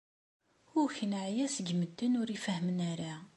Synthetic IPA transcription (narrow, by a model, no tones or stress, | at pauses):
ʊçənʕjæsəɡməd̪ːənʊɾifəhmənæɾa